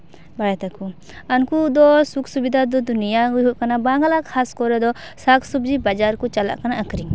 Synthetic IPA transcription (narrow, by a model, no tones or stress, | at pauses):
bajɛt̪aku | ankud̪ɔsuksubid̪ʱad̪ɔd̪unijaɡuɦuʔkanabaŋɡalakʰaskɔɾɛd̪ɔsakʰsubd͡ʒibad͡ʒaɾkut͡ʃala̰ʔkanaʔəkɾiŋ